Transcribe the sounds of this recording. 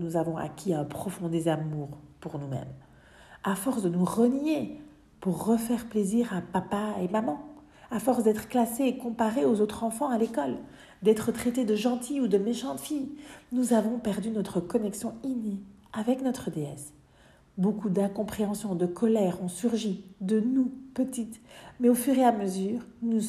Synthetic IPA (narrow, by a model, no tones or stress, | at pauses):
nuzavɔ̃a̰kʲʰiɛ̃pχɔfɔ̃d̪ezamuʁpuʁnumɛ̰m | afɔʁsd̪ənuʁənje | puʁːəfɛʁpleziʁapapaemamɑ̃ | afɔʁsd̪ɛt̪χə̥klaseːkɔ̃paʁeozot̪χɑ̃fɑ̃alekɔl | d̪ɛt̪χət̪χɛt̪ed̪əʒɑ̃t̪ʰiud̪əmeʃɑ̃t̪fijnuzavɔ̃pɛʁd̪ynɔt̪χəkɔnɛksjɔ̃ine | avɛknɔt̪χəd̪eɛ̰s | bokud̪ɛ̃kɔ̃pχeɑ̃sjɔ̃d̪əkʰɔlɛʁɔ̃syʁʒid̪ənupət̪it̪mɛofyʁeaməzyːʁnu